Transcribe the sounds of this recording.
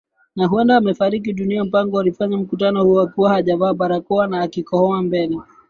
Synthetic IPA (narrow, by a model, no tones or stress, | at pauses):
naɦuɛndaːmɛfaɾik̬iɗuniam̩paŋɡɔalifaɲam̩kutanɔhuakuwahaʄavaːɓaɾakɔanaːkikɔhɔambɛlɛ